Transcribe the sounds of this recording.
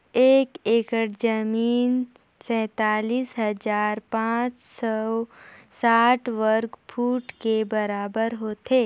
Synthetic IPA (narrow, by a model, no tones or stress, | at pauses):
eːkeːkəʈd͡ʒəmiːn | sɛ̃ːt̪aːliːsɦɐd͡ʒaːɾpãːt͡ʃsɔ | saːʈʰʋəɾkpʰuːʈkebɐɾaːbəɾɦoːt̪eː